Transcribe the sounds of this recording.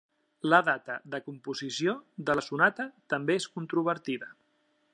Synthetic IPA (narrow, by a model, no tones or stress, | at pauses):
ləðat̪əðəkumpuzisijoðəlsunat̪ət̪əmbeeskunt̪ɾuβ̞əɾt̪iðə